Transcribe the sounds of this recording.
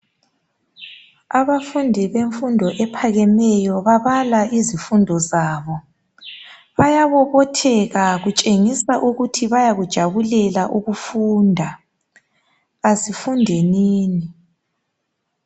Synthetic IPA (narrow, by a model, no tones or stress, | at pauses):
aβafundʱiβeɱfundʱɔʔɛpʰaɣɛmɛjɔβaβalaʔizifundʱɔzaːβɔ | βajaβɔβɔtʰɛɣaɣut͡ʃʼeŋisaʔuɣutʰiβajaɣud̥ʒ̥ʱaβulɛlaʔuɣufuːndʱa | azifundʱeniːni